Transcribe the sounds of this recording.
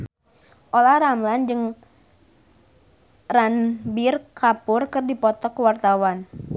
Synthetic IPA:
ʔolahɾamland͡ʒɨŋ | ranbirkapʊrkɨrdipɔt̪ɔkəwart̪awan

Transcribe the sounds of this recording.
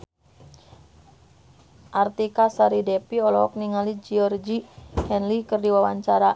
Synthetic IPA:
ʔart̪ikasaɾidɛpiɔlɔɔk̚niŋalid͡ʒiɔrd͡ʒihɛnlikɨrdiwawaɲt͡ʃaɾa

